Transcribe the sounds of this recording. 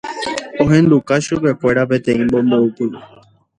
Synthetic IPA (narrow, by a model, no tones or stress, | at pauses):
õ̞ɦẽ̞nd̪ukaʃupe̞kʷe̞ɾap̬ẽ̞t̪ẽ̞ĩmbo̞mboupɨ